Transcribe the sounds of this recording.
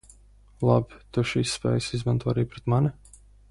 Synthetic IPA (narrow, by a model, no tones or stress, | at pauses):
lˠabt̪uʃisːpɛ̰ːjsizmant̪uːaɾiːpɾɛt̪mani